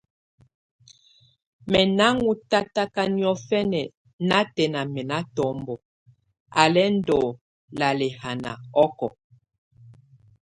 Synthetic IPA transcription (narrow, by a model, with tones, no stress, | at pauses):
mɛ˨na˦ŋu˦ta˦ta˦ka˦ni˦ɔ˦fɛ˦nɛ˨ | na˦tɛ˨na˨mɛ˨na˦tɔ˨˦mbɔ˨ | a˨lɛ˦n̩˦dɔ˨ | la˨lɛ˨ha˨na̰˨ɔ˦kɔ˨